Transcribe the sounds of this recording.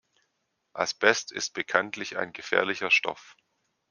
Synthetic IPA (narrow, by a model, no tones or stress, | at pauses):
ʔalsb̥ɛstɪ̰st̚b̥əkʰantʰlɪça̰ɪnɡəfɛ̰ːɐlɪçɐʃtɔ̰f